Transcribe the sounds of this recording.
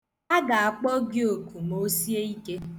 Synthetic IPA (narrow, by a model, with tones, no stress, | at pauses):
a˦ɡa˨a˨k͡pɔ˦ɡjo˨ku˨mo˦si˦e˦i˦ke˦